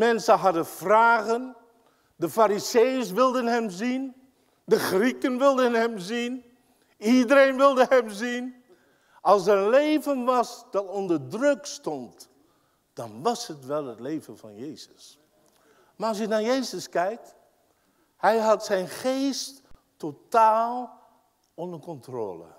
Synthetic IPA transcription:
mɛnsənɦɑdənvraːχən | dəfaːɾizejəɹsʋɪlˠdənɦɛmzin | dəχrikənʋɪlˠdənɦɛmzin | idəɾejnʋɪlˠdəɦɛmzin | ʔɑlˠsɛɾənlejvənʋɑsd̥ɑtɔndəɹdrɵkstɔnt | d̥ɑnʋɑshətʋɛlˠɦətlejvənvɑ̰njejzəs | maːɹɑlˠs̬jənaːɹjejzəskɛjk̚t | hɛjɦɑtsɛjnχejst | otaːlˠ | ɔndəkɔntro̰ːlə̰

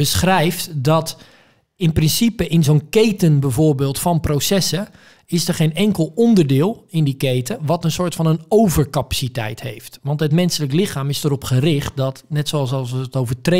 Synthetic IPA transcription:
bəsχrɛjftdɔt | ɪnprɪnsipəʔɪnzownkeːtənbɛvoːbeːlˠtfɔnprowsɛsə | ɪsdərχenɛŋkəlˠɔndərdɪːlˠɪndikejtəʋɔtənsʊːɹtfɔnənowvərkapḁsitɛ̰jthḛjftʋɑntɦətmɛnsələklɪxaːmɪsdərɔpχərɪxt̚dɔtnɛtsoɑsɔlˠsəətowvətre

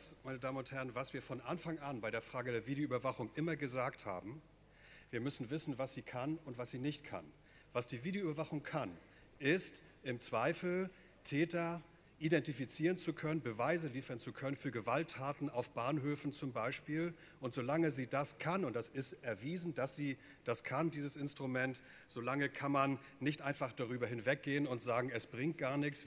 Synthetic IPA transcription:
smaɪnədaːmənʊnthɛʁənvasv̥iːɐfɔnʔanfaŋʔanbaɪɾeːɐfʁ̥aːɡədeːɐviːdeoyːbɐvaχʊŋʔɪmɐɡəzaːktha̰ːbm̩ | viːɐmʏsn̩vɪsn̩vasz̥iːkʰanʊntv̥asz̥iːnɪçtkʰa̰n | vasd̥iːviːdeoybɐvaχʊŋkʰan | ʔɪst | ʔɪmt͡sv̥aɪfl̩ | tʰɛːtɐ | ʔidɛntifit͡siːʁ̞ənt͡sukʰœnənbəvaɪzəliːfɐnt͡sukʰœnənfyːɐɡəvaltʰːaːtn̩aʊfb̥aːnɦøːfn̩t͡sʊmbaɪʃpiːl | ʔʊntz̥olaŋəziːdaskʰanʊnt̚d̥asɪstʔɛɐviːzn̩d̥asz̥iː | d̥askʰandiːzəsɪnstʁ̥umɛnt | z̥olaŋəkʰanmanː | ɪçtʔaɪnfaχd̥aʁyːbɐɦɪnvɛk̚ɡ̥eːənʊntz̥aːɡŋ̩ɛsb̥ʁɪŋt̚ɡ̥aːɐnɪçs

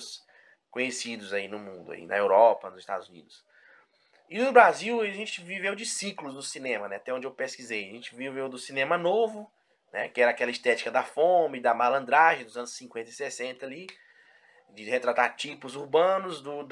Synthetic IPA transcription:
s | kõɲesid̪ʊzainʊmũnd̪ʊa̰ḭnɐ̰ewɾɔpɐnʊzɪst̪a̰d̪ʊzunḭd̪ʊs | ɪnʊbɾaziwiɐʒẽt͡ʃɪvivewd͡ʒɪsiklʊzd̪ʊsinẽmɐnɛat̪ɛõd͡ʒewpeskizejaʒẽt͡ʃɪvivewd̪ʊsinẽmɐnovʊ | nɛ̰kɪɛɾɐakɛlɐist̪ɛt͡ʃi̥kɐd̪ɐfõmɪd̪ɐmalɐ̃nd̪ɾaʒẽd̪ʊzɐ̃nʊsːĩkwẽnt̪ɐɪsesẽnt̪ɐali | d͡ʒɪhet̪ɾat̪aɾt͡ʃipʊzuɾbɐ̃nʊzd̪ʊd̪

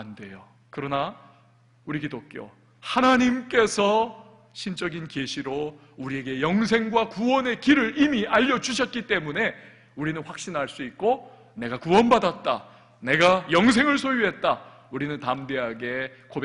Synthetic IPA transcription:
ande̞jo | kɯɾʌna | uɾiɡidok͈jo̰ | hanaɲimk͈e̞sʰʌ | ɕʰint͡ɕ͈ʌɡinke̞ɕʰiɾo | uɾie̞ɡe̞jʌŋsʰe̞ŋɡwakuwʌne̞kiɾɯɾimiʔaʎːʌd͡ʑuɕʰʌt̚k͈it͈e̞mune̞ | uɾinɯnɸwak̚ɕ͈inɦaɭs͈uit̚k͈o | ne̞ɡakuwʌnbadat̚t͈a̰ | ne̞ɡajʌŋs̬ʰe̞ŋɯɭsʰojuɦe̞t̚t͈a | uɾinɯntamde̞ɦaɡe̞kobe

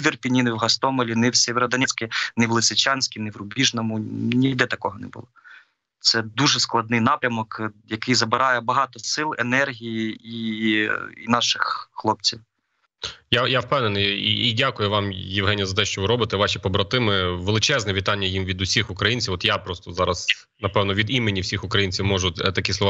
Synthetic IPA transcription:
ʋʲirpʲinʲinɪwɦɐst̪ɔmɔlʲinɛwsʲeʋʲɛɾɔd̪ɐnʲɛt͡sʲkʲɪnɛʋlˠɪsɪt͡ʃɑnʲsʲkʲɪnɛʋɾʊbʲiʒnɔmʊnʲid̪ɛt̪ɐkɔɦɔnɛ̰bʊlˠɔ | t̪sɛd̪uʒɛsklˠɐd̪nɪjnɑpɾʲɐmɔkjɐkɪjzɐbɪɾʔɑjɛbɐɦɑt̪ɔsɪlˠenɛrɦʲijii | ḭnɑʃɪxxlˠɔp̚t͡sʲiw | jajawpɛwnenɨjḭidʲakʊjʊʋɑmjɪwɦɛnʲijɐzɐt̪ɛʃt͡ʃɔʋɪɾɔbɪt̪ɛʋɑʃʲipɔbɾɐt̪ɪmɪʋelˠɪt͡ʃɛznɛʋʲit̪ɑnʲːɐjimʋʲid̪ʊsʲixʊkɾɐjinʲt͡sʲiwɔt̪japɾɔst̪ɔzɑɾɐs | nɐpɛwnɔʋʲid̪imɪnʲːiwsʲixʊkɾɐjinʲt͡sʲiwmɔʒʊt̪ɐkʲislˠɔʋ

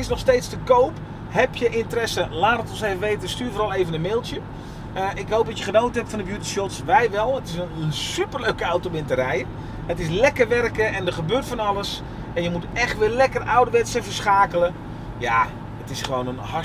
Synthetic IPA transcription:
ɪsnɔχstejtstəkowp | hɛpjəʔɪntərɛsəlaːtətɔnsejvəʋejtəstyːrvoɾɑlˠejvənəmeːlˠtjə | əʔɪkɦowp̚dɑtjəχənowtəɦɛptfɔndəbjutisjɔtsʋɛjʋɛlˠətɪsəənsypərløɥkəawtobɪntərɛjə | ətɪslɛkərʋɛrkəɛndərχəbøːtfɔnɑləs | ɛnjəmutɛxtʋɪːlɛkərawdəʋɛtsəfərsχaːkələ | ja | ətɪsχəʋownənhɑ

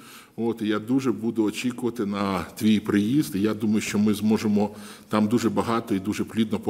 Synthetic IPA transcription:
oːt̪ijad̪uʒɛbud̪ʊɔt͡ʃʲikʊʋɐt̪ɪnɐt̪ʋʲijpɾɪjizt̪ijad̪umɐjʊʃt͡ʃɔmɪzmɔʒemɔt̪ɑmd̪uʒɛbɐɦɑt̪ɔid̪uʒɛplʲid̪nɔpɔ

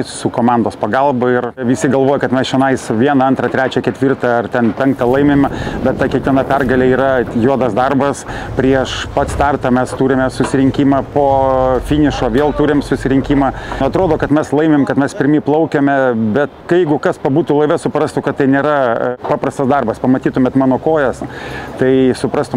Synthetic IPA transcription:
sʊkoːmɑnd̪oːspɐɡɐlˠbɐɪrʋʲɪsʲɪɡɐlˠʋoːjɛkɐt̪mʲɛsʃʲɛnɐɪsʋʲiɛnɐɐnt̪ɾɐt̪ʲɾʲæːt͡ʃʲɛkʲɛt̪ʲʋʲirt̪ɑɐrt̪ʲɛnpʲɛŋk̚t̪ɐlˠɐɪmʲeːmbʲɛt̪̚t̪ːɑkʲiɛkʋʲiɛnɐpʲɛrɡɐlʲeːiːɾɐjuɔd̪ɐsd̪ɐrbɐs | pʲɾʲiɛʃpɐt̪st̪ɐrt̪ɐːmʲɛst̪uːɾʲɪmʲɛsʊsʲɪɾʲɪŋʲkʲiːmɑːpoːfʲiːnʲɪʃoːʋʲeːlˠt̪uːɾʲɪmsʊsʲɪɾʲɪŋʲkʲiːmɑːɐt̪ɾoːd̪oːkɐt̪mʲɛslˠɐɪmʲeːmkɐt̪mʲɛspʲɪɾʲmʲiːplˠɐʊkʲɛmʲɛbʲɛt̪kɐɪjɛɪɡʊkɐspɐbuːt̪ulˠɐɪʋʲɛsʊpɾɐst̪ʊkɐt̪t̪ːɐɪnʲeːɾɐpɑːpɾɐst̪ɐsd̪ɐrbɐspɐmɐt̪ʲiːt̪ʊmʲɛt̪mɑːnoːkoːjɛst̪ɐɪsʊpɾɐst̪ʊ

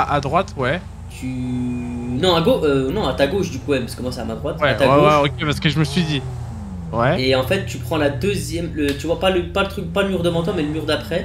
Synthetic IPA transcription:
aʔad̪ʁwat̪wɛ | t̪ʰy | nɔ̃aɡoønɔ̃at̪aɡoʃd̪ykuɛmpaskəmwaseamad̪ʁwat̪wɛat̪awɛwɛokʲepaʁsə̥kəʒəməsɥid̪i | wɛeɑ̃fɛt̪ːypχɑ̃lad̪øzjɛmlət̪yvwapaləpalət̪χykpaləmyʁd̪əmɑ̃t̪ɔ̃mɛləmyʁd̪apχɛ

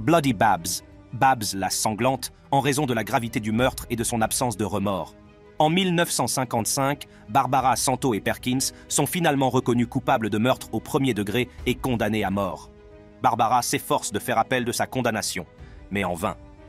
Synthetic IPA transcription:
blad̪ibabz | babzlasɑ̃ɡlɑ̃t̪ | ɑ̃ʁezɔ̃d̪əlaɡʁavit̪ed̪ymœʁt̪χed̪əsɔ̃napsɑ̃sd̪əʁəmɔːʁ | ɑ̃milnəfsɑ̃sɛ̃kɑ̃t̪sɛ̃k | baʁbaʁasɑ̃t̪oepɛʁkʲins | sɔ̃finalmɑ̃ʁəkɔnykupabləd̪əmœʁt̪χopχəmjed̪əɡʁeːkɔ̃d̪aneamɔːʁ | baʁbaʁasefɔʁsd̪əfɛʁapɛld̪əsakɔ̃d̪anasjɔ̰̃mɛɑ̃vɛ̃

